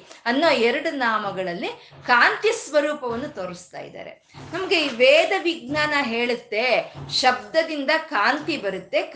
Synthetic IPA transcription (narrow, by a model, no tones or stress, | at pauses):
ɐnːoːɛɾɐɽunaːmɐɡɐɭɐlːi | kaːnt̪jisʋɐɾuːpɐʋɐnːut̪oːɾɐst̪a̰ːjḭd̪a̰ːɾe̞̰ | nɐmɐɡeiʋeːd̪ɐʋiɡ̚naːnɐɦeːɭut̪ːe̞ʃɐb̚d̪ɐd̪ind̪ɐkaːnt̪ibɐɾut̪ːe̞k